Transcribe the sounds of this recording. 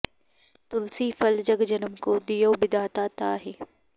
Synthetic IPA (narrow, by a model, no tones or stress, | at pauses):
t̪ʊlsiːfɐld͡ʑɐɡd͡ʑɐnəmkoːd̪ijoːbɪd̪aːt̪aːt̪aːɦeː